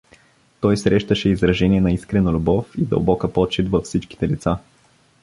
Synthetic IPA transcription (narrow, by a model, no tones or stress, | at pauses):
t̪ɔjsɾɛʃt̪əʃɛizɾɐʒɛniɛnɐiskɾɛnɐlʲʊbɔfid̪ə̰lˠbɔkəpɔt͡ʃit̪vɐfsit͡ʃki̥t̪ɛlḭt̪sa